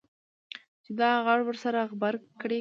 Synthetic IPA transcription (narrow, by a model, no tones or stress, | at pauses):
t͡ʃɪd̪ɑɣaɽwəɾsaɾaɣbaɾkɽe